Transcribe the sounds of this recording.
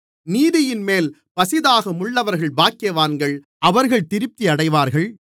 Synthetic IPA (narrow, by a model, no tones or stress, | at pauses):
niːðɪjɪnmeːl | pɐsɪðaːɣɐmʊɭːɐʋɐɾɣɐɭbaːkɪjɐʋaːnɡɐɭ | ʔɐʋɐɾɣɐɭt̪ɪɾɪp̚t̪iɐɽɐɪʋaːɾɣɐɭ